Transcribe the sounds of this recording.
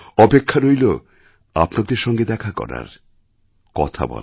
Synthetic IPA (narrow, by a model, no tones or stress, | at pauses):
ɔpekʰːaɾojlo | apnad̪eɾʃɔŋɡed̪ɛkʰakɔ̰ɾa̰ɾ | kɔt̪ʰa̰bɔ̰l